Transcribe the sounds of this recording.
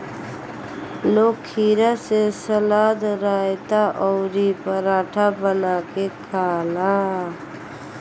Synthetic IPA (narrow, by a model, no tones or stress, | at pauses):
loːkʰːiːɾasesəlaːd̪ɾaːjt̪aʔɔːɾipəɾaːʈʰabənaːkekʰaːlaː